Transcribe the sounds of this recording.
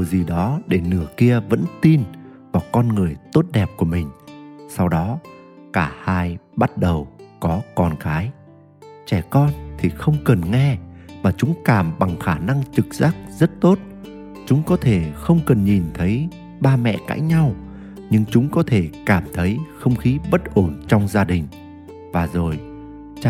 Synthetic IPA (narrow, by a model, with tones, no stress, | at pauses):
i˨˩zi˨˩ɗɔ˨˦ɗe˧˩nɨ˧˩əki˧əvə̰˧˥nt̪i˧n | vaː˨˩kɔ˧nŋɨ˨˩əjt̪o˦˥t̚ɗɛ˨˩p̚ku˧˩əmï˨˩ŋ̟sa˧wɗɔ˨˦ | kaː˧˩haː˧j | ɓa˦˥t̚ɗə˨˩wkɔ˨˦kɔ˧nkaː˨˦j | t͡ɕɛ˧˩kɔ˧nt̪ʰi˨˩xə˧wŋ͡mkə˨˩nŋɛ˧maː˨˩t͡ɕʊ˨˦ŋ͡mkaː˧˩mɓa˨˩ŋxaː˧˩na˧ŋt͡ɕɨ˨˩k̚zaː˦˥k̚zə˦˥t̚t̪o˦˥t̚ | t͡ɕʊ˨˦ŋ͡mkɔ˨˦t̪ʰe˧˩xə˧wŋ͡mkə˨˩nɲi˨˩nt̪ʰə˨˦j | ɓaː˧mɛ̰˧˨ka̰ː˨˦jɲa˧w | ɲɨ˧ŋt͡ɕʊ˨˦ŋ͡mkɔ˨˦t̪ʰe˧˩kaː˧˩mt̪ʰə˨˦jxə˧wŋ͡mxi˨˦ɓə˦˥t̚ʔo˧˩nt͡ɕɔ˧wŋ͡mzaː˧ɗï˨˩ŋ̟ | vaː˨˩zo˨˩j